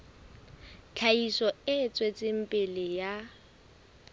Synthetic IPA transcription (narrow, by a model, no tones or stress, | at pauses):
t͡ɬʰaisɔɪt͡sʼwet͡sʼɪm̩pʼɪlɪja